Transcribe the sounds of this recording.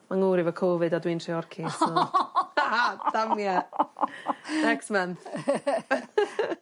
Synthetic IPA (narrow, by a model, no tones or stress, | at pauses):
maŋuːɾɪvəkʰoːvɨdadwiːntriɔrkʰisɔaad̥amja | nɛkstmanθ